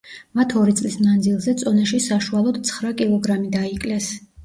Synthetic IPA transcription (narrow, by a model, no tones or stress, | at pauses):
mat̪ʰɔɾit̪sʼlismand̪zilˠzɛt̪sʼɔnɛʃisaʃualˠɔd̪t̪sʰχɾakʼilˠɔɡɾamid̪aikʼlɛs